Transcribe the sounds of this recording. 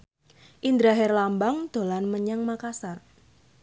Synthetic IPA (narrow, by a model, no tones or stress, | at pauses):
ʔind̪ɾaɦɛrlambaŋd̪̥o̤lanməɲaŋmakasar